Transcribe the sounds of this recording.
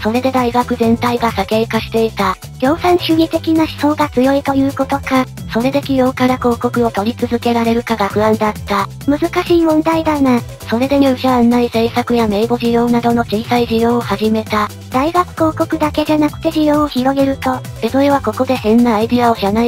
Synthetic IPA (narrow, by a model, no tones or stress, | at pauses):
so̞ɾe̞d̪e̞d̪aiɡakɯ̟zẽ̞nt̪aiɡasake̞ːkaɕi̥t̪e̞it̪a | ɡʲo̞ːsãɰ̃ɕɨɡ̟ʲit̪e̞kʲinaɕi̥so̞ːɡat͡sɨjo̞it̪o̞jɯ̟ːko̞t̪o̞ka | so̞ɾe̞d̪e̞kʲijo̞ːkaɾako̞ːko̞kɯ̟o̞t̪o̞ɾʲit͡sɨzɨke̞ɾaɾe̞ɾɯ̟kaɡaɸɯ̟ãnd̪at̪ːa | mɯ̟zɨkaɕiːmõ̞nd̪aid̪ana | so̞ɾe̞d̪eɲoːɕaanːaise̞ːsakɯ̟jame̞ːɡo̞ʑijo̞ːnad̪o̞no̞t͡ɕiːsaiʑijõ̞ːohaʑime̞t̪a | d̪̥aiɡakɯ̟̥ko̞ːko̞kɯ̟d̪ake̞ʑanakɯ̟t̪e̞ʑijõ̞ːoçiɾo̞ɡe̞ɾɯ̟t̪o̞bed̪oeβako̞ko̞d̪e̞hẽ̞nːaːid̪iao̞ɕana